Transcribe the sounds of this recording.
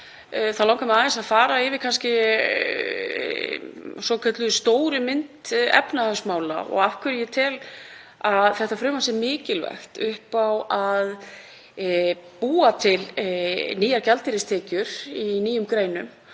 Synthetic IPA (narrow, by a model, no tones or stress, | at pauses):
θaðlãwŋkamɛðaːðɛsaðfaːɾaɪvɪkʰanscɪ | sɔkʰœt̪lʏst̪oːwɾʏmɪnt̪ɛ̰pnaðʏsmaːwla̰ɔ̰ɣafkʰvʏɾjɪt̪ʰɪl | aðθɛht̪afɾʏːmasɛɾmɪːcɪlvɛ̰xt̪ʏhpawað | puːat̪ʰɪlniːjaɾcalt̪ɪɾɪst̪ʰɛːcʏɾ̥iniːjʏmkɾeːjnʏm